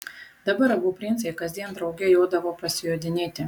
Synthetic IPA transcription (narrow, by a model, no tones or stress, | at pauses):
d̪̥ɐbɐɾɐbupʲɾʲɪnʲsʲɛɪkɐzʲd̪ʲiɛnd̪ɾɐʊɡʲɛjoːd̪ɐʋoːpɐsʲɪjoːd̪ʲɪnʲeːt̪ʲɪ